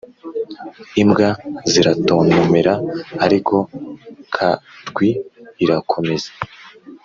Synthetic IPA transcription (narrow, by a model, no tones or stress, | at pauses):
imɡaziɾato̞ːnumeɾaːɾikʰo̞kʰaɾɡwiiɾakʰo̞me̞zḁ